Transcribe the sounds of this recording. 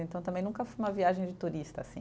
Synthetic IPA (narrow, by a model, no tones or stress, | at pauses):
ẽnt̪ɐ̃w̃t̪ɐ̃mbẽj̃nũkɐfojũmɐviaʒẽj̃d͡ʒɪt̪uɾist̪ɐsḭ̃